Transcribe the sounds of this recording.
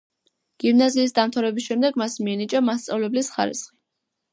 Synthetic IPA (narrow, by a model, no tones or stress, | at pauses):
ɡ̥imnaziːs̬d̪amt̪ʰaɾɛbisʃɛmd̪ɛɡmasmiɛnit͡ʃʼamast̪sʼavlɛblisχa̰ɾḭsχi